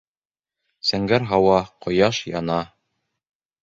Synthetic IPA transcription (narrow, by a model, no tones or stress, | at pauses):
sæŋɡæɾɦɑwɑqŏjɑʃjɑnɑ